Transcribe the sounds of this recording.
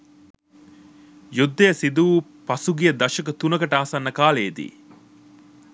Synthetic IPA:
jud̪ːɐjɐsid̪uːpɐsuɡijɐd̪ɐʃɐkɐt̪unɐkɐʈaːsɐnːɐkaːleːd̪ḭː

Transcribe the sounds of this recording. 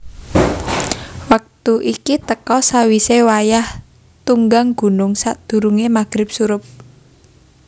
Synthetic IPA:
wak̚t̪uʔikit̪əkɔsawisewajah | t̪uŋɡaŋɡ̥ṳnʊŋsaʔd̪̥ṳɾuŋemaɡ̥ɾɪp̚suɾʊp̚

